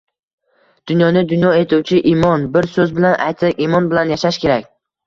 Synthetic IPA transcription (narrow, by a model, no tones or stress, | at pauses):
d̪̥ʊnjɒnɪd̪ʊnjɒe̞t̪ʰuwt͡ʃʰɪʔimɒnbɪɾsɵzbɪlanʔa̰jt̪ʰɪʔimɒnbɪlanjaʃaʃkʲe̞ɾakʲ